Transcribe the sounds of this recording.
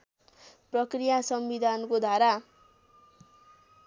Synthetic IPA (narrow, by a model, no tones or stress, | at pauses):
prʌkrijasʌmbid̪ʱankod̪ʱaɾa